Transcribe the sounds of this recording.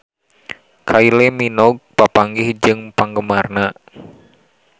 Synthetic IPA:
kʰaileminɔɡ̚papaŋɡɪhd͡ʒɨŋpaŋɡəmarna

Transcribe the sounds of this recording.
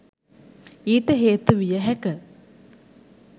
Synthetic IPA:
iːʈəɦeːt̪uʋijəɦɛkə

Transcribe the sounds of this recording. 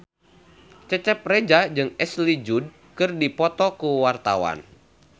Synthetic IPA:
t͡ʃət͡ʃɛp̚red͡ʒad͡ʒɨŋɛslid͡ʒud̚ | kɨrdipɔt̪ɔkuwart̪a̰wa̰n

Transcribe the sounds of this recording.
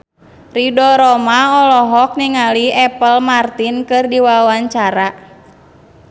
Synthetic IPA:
ridɔɾɔmaɔlɔɦɔk̚niŋaliɛpəlmart̪inkɨrdiwawaɲt͡ʃaɾa

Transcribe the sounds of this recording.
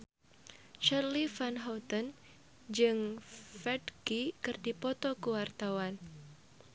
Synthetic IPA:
t͡ʃarlifanɦawt̪ən | d͡ʒɨŋfɛdɡikɨrdipɔt̪ɔkəwart̪awan

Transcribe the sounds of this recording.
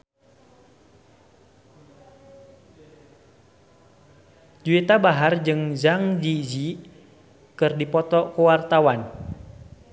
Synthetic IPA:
d͡ʒuit̪abaɦard͡ʒɨŋzaŋd͡ʒid͡ʒi | kɨrdipɔt̪ɔkuwart̪awan

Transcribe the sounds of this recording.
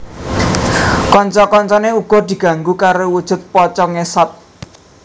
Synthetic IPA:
kɔɲt͡ʃɔkɔɲt͡ʃɔneuɡ̥ɔ̤d̪̥i̤ɡ̥ä̤ŋɡukaɾowud̥ʒ̥ʊ̤t̪̚pɔt͡ʃɔŋesɔt̪̚

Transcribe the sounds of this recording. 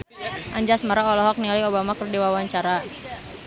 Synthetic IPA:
ʔaɲd͡ʒasmaɾaɔlɔɦɔk̚niliobamakərdiwawaɲt͡ʃaɾa

